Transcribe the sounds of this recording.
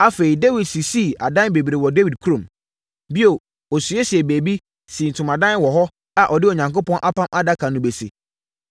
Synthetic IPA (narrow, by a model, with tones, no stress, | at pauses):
a˦fe˨ɾi˨de˦wi˨dsi˨si˦˨a˨dã˦be˨bi˨ɾe˨wɔ˨de˦wi˨d̚kʰu˦ɾõ˨m | bi˦o˨ | ɔ˨su˨˦e˦si˨ɛ˨beː˨bi˦ | sĩ˨n̩˨tʰʊ̃˨mã˨dã˦n˦wɔ˨ɦɔ˦ | a˨ʔɔ˨dɪ˦ɔ˨ɲã˨ŋko˦pɔ̃˦nʔa˦pʰã˦mʔa˦da˦kʰã˨nʊ̃˨be˨sḭ˨